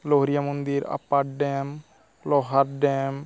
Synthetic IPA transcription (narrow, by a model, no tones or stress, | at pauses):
loɦɾijamɔnd̪iɾa̰pːaɖɛm | lɔɦaɾɖɛm